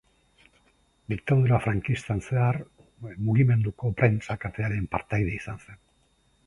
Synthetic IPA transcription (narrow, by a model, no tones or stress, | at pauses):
d̪ik̚t̪aðuɾafɾaŋkist̪anse̞ar | muɣime̞nd̪uko̞pɾe̞nt͡sakat̪e̞aɾe̞mpaɾt̪ajð̞e̞isanse̞n